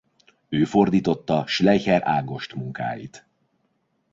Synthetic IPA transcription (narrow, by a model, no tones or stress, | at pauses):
øːfo̞rd̪iːt̪o̞t̪ːɒʃlɛjhɛɾa̰ːɡo̞ʃt̪muŋka̰ːjḭt̪